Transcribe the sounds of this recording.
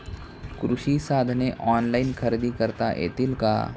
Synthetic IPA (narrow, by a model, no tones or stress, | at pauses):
kɾʊʃisaːd̪ʱneʔɔːnlaːɪnkʰɐɾɪd̪ikɐɾt̪a̰ʔḛːt̪ɪlka̰ː